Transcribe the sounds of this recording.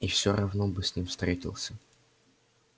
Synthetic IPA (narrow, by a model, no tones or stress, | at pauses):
ifsʲoɾʔɐvnobɨsʲnʲimfst̪ɾʲetʲɪ̰lˠsʲə